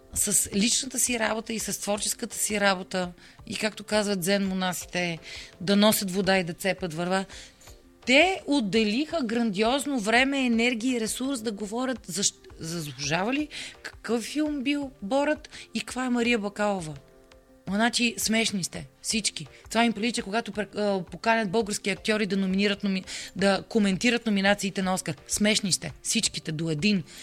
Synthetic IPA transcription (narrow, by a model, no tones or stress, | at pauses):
sɐslit͡ʃnət̪əsiɾabot̪əisɐst̪vɔɾt͡ʃɛ̥skət̪ə̥siɾabot̪ə | ḭkakt̪okazvətd̪zɛnmonasi̥t̪ɛd̪ɐnɔsʲət̪vod̪aid̪ɐt̪sɛpət̪vɐɾva | t̪ɛod̪ːɛlixəɡɾɐnd̪iɔznovɾɛmɛːnɛɾɡ̟ʲiiːɾɛsuɾsd̪ɐɡovɔɾʲət̪zɐʃzɐzbˠʊʒavəlikɐ̥kɤfːilˠmbilˠbɔɾət̪ikkvaɛmɐɾijəbɐkalˠovə | onat͡ʃismɛʃnist̪ɛfsit͡ʃkit̪ovaimpɾivit͡ʃɛkoɡat̪opɾɛpokanʲɐd̪̚bɤlˠɡəɾskʲiɐk̚t̪ʲjɔɾid̪ɐnominiɾət̪nomid̪ɐkomɛnt̪iɾət̪nominat̪siːt̪ɛnɐɔskəɾsmɛʃnist̪ɛfsit͡ʃkit̪ɛd̪oɛd̪in